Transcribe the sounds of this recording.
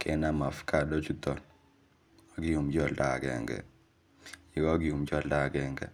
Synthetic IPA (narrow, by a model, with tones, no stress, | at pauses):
kʰɛ˦na˦ma˨fka˨do˦t͡ʃu˦t̪ɔ˨n | a˨ɡɪ˦ju˨md͡ʒɔ˦˨lda˨ɡɛ̰˨ŋɡɛ̰˨ | i˨kɔ˦ɡɪ˦ju˨md͡ʒɔ˦˨lda˦˨ɡɛ˨ŋɡɛ̰˨